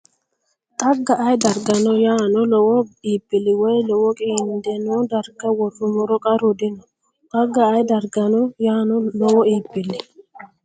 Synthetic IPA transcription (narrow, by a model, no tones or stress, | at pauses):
t̪ʼɐɡːaʔajd̪ɐɾɡɐnɔjaːnɔlɔwɔiːpʼːɪlːɪwɔjlɔwɔkʼiːnd̪ɛnɔd̪ɐɾɡɐwɔrːʊmʊɾɔkʼɐɾʊd̪ɪnɔ | t̪ʼɐɡːɐːjd̪ɐɾɡɐnɔjaːnɔlɔwɔiːpʼːɪlːɪ